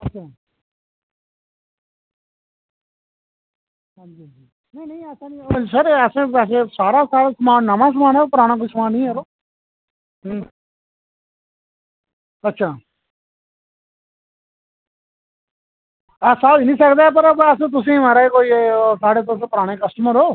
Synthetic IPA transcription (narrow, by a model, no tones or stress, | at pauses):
ɐtːʃʰaː | ad͡ʒid͡ʒi | nɐĩnɐ̃ĩɐsãnĩsəɾɐsẽːɛːs̬esaːɾaːsaːɾasəmaːnəmãs̬əmaːnɛːopʊɾaːɽ̃aːk̬oːisəmaːnĩːɛɾoː | ɐtːʃʰaː | asaːinĩsəkd̪aːɛp̬ɐɾbɐs̬ẽːt̪̬ʊs̬ẽmaɾaːikoːisaːɽeːt̪os̬ẽpʊɾaːɽ̃ekɐsʈəməɾɦoː